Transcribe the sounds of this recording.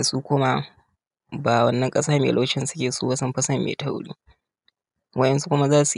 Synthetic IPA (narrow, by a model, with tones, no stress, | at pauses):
a˨su˦kʷʊ˦ma˦ | baː˨wɐ˦nːɐ˦ŋkʼɐ˦saː˦mḛː˨ʔlo˦t͡ʃɪ˦nsʊ̥˦kʲeː˨suː˦wa˦sɐ˦mɸɐ˦sɐ˦mːḛ˨ta˦wɽḭː˦ | wɐ˦ʔɛ˦nsu˦kʷʊ˦ma˦zaː˦su˨